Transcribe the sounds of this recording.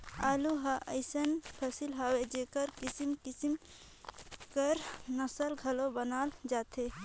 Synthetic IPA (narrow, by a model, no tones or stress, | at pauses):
aːluɦaʔə̰ɪsənpʰəsilɦawed͡ʒekəɾkisimkisim | kəɾnəsəlɡʱəlobənaːld͡ʒaːt̪ʰe